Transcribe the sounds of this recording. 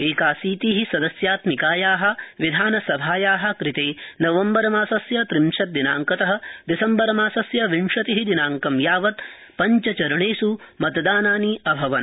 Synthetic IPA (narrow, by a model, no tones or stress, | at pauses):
eːkaːsiːt̪iːɦisɐd̪ɐsjaːt̪mikaːjaːɦɐ̆ʋid̪ʱaːnɐsɐbʱaːjaːɦɐ̆kɾit̪eːnɐʋɐmbɐɾɐmaːsɐsjɐt̪ɾimʃɐt̪̚d̪ina̰ːŋkɐt̪ɐɦɐ̆d̪isɐmbɐɾɐmaːsɐsjɐʋiɳʂɐt̪iɦid̪inaːŋkɐmjaːʋɐt̪ | pɐɲt͡ʃɐt͡ʃɐɾɐɳeːsumɐt̪d̪aːnaːniɐbʱɐʋɐn